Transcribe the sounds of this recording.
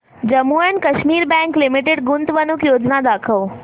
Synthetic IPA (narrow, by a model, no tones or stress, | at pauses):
d͡ʑɐmuːənɪ̆kɐʃmiːɾbɛ̃ːŋklɪmɪʈeɖɡʊnd̪ʋɐnukjoːd͡ʑnad̪aːkʰəʋ